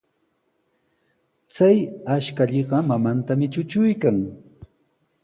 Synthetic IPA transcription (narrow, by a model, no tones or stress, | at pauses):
t͡sajaʃkaʎeɢɑmamant̪amɪt͡ʃʊt͡ʃʊjkaŋ